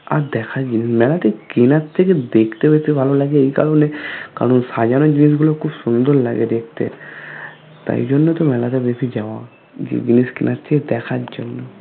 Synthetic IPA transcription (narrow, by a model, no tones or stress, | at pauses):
a̰ɾd̪ɛkʰad͡ʒinismɛlat̪ekinat̪ʰːeked̪ekʰt̪ebet̪ʰibʱalolaɡeejka̰loneka̰ɾɔnsad͡ʒanod͡ʒinis̬ɡulokʰubsund̪oɾla̰ɡed̪ek̚ʰt̪ḛ | t̪a̰jd͡ʒonːɔt̪ɔmɛlat̪ebesʰid͡ʒawa | d͡ʒḛd͡ʒiniskḭnʔat̪tʰeked̪ɛkʰaɾd͡ʒonːɔ